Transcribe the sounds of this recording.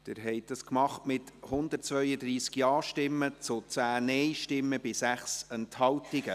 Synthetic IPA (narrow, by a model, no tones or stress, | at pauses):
d̪̥ɪɾɦɛɪt̚dɑskmɑχtmɪt̪hʊnd̪ərt̚t͡svœʏəd̪ɾiːskjɑːʃtɪmːət͡sʊt͡sæːnɛjʃtɪmːəbɪsæχsɛnthɑwtɪɡə